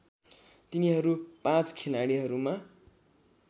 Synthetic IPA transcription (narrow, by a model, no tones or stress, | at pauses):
t̪iniɦʌɾupãt͡skʰelaɽiɦʌɾuma